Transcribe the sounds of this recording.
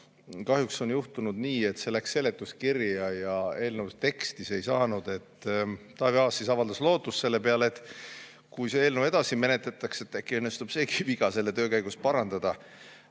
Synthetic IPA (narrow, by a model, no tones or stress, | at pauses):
kɑɦjukso̞njuht̪unud̪̥niːe̞t̪se̞læksːe̞le̞t̪ːˑuskirjɑjɑe̞ːlnəwt̪e̞kst̪ise̞jsɑːnud̪̥e̞t̪ːt̪ɑːviɑːsːisɑvɑld̪ɑslo̞ːt̪ːˑustːse̞lːe̞pe̞ɑleet̪ːˑ | kujseeːlnəwe̞d̪̥ɑsime̞net̪let̪ːˑɑkse̞t̪ːækːiɤnːest̪ub̥se̞ːki̥viɡɑse̞lːe̞t̪ø̞ːkæjɡ̥uspɑɾɑnd̪̥ɑd̪̥ɑ